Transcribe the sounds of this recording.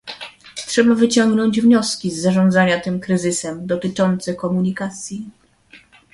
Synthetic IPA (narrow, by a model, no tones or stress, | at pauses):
tʂɛbavɘt͡ɕɔŋɡnɔɲd͡ʑvɲɔskʲizːaʐɔ̃nd̪zaɲat̪ɘmkɾɘzɘsɛmd̪ɔt̪ɘt͡ʂɔnt̪sɛkɔmuɲikat̪sʲji